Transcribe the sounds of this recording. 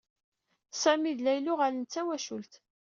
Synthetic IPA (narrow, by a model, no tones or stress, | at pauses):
sæmiðlæjlʊʁalənt͡sːæwæʃult̪